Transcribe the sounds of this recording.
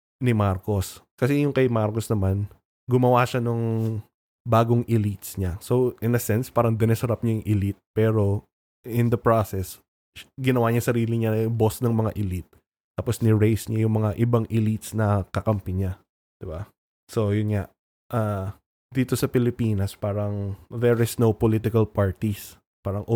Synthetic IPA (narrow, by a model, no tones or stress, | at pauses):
nɪmaɾko̞skɐsɛjʊŋkɐjmaɾkosnɐman | ɡʊmɐwaʃanoŋ | baːɡoŋʔɪlit̪sɲasoʔɪnɐsɛnspaːɾɐŋd̪ɪnɛsɐɾap̚ɲajʊŋʔɪlit̪̚pɛːɾo̞ | ɪnd̪ɐpɹosɛs | ɡɪnɐwaːɲɐsɐɾiːlɪɲabosnɐŋmɐŋaʔɪlit̪̚ː | aːposnɪɹejsɲajʊŋmɐŋaʔɪbaŋʔɪlit̪snɐkɐkɐmpɪɲa | d̪̥ɪba | so̞jʊnŋaʔ | ʔaː | d̪iːt̪o̞sɐpɪlɪpiːnɐspaːɾɐŋvɛɹɪsnowpolit̪ɪkɐlpaɹt̪is | paːɾɐŋʔ